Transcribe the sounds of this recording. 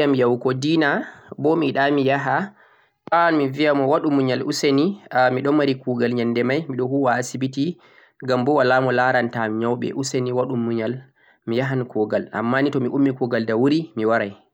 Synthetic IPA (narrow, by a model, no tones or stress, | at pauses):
amjawkɔdiːnabɔmiɗamijaɦa | panmivijamɔwaɗumːuɲalʔṵsenimiɗɔmaɾikuɡalɲandɛmajmiɗɔhuwaːsibiti | ɡambɔwalamɔlaɾantamiɲawɓɛ̰ʔuseniwaɗumːuɲal | mijaɦankɔɡala̰mːanitɔmiʔumːikɔɡaldawuɾimiwaɾaj